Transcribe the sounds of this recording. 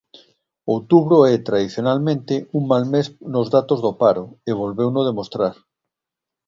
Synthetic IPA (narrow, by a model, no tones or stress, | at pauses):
owt̪uβɾoɛt̪ɾaðiθjonalmẽnt̪euŋmalmesnozðat̪ozðopaɾoeβ̞olβewnoð̞emost̪ɾaɾ